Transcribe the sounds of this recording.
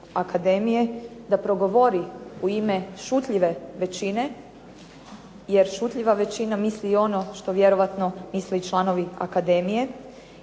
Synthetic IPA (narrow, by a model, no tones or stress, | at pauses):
akad̪emije̞d̪apɾo̞ɡo̞ʋoɾiuime̞ʃut̪ʎiʋe̞ʋe̞t͡ɕine̞ | jeɾʃut̪ʎʲiʋaʋe̞t͡ɕinamislio̞no̞ʃt̪o̞ʋje̞ɾo̞ʋat̪no̞mislet͡ʃlˠano̞ʋia̰kad̪emije̞